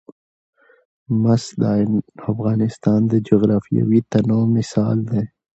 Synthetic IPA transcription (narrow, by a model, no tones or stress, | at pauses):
mɐsd̪aːɪnɐfɣɑːnɪst̪aːnd̪əd͡ʒoɣɾaːfija̰wit̪ɐnõːmɪsaːld̪eː